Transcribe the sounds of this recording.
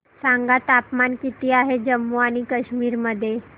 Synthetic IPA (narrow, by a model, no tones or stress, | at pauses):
saŋɡat̪apmankit̪iːaɦed͡ʑəmːuaɽ̃ikəɕmiːɾməd̪ʱːje